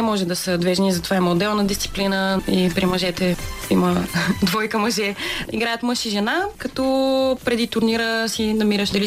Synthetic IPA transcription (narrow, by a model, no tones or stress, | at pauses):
ɛmɔʒɛd̪ɐsəd̪vɛʒnizɐt̪o̥vaiməod̪ɛlˠnɐd̪ist̪si̥plinəipɾimɐʒɛt̪ɛiməd̪vɔjkəmɐʒɛiɡɾajət̪mɤʃiʒɛnakɐt̪ɔpɾɛd̪it̪ʊɾniɾəsinɐmiɾəʃd̪ɐli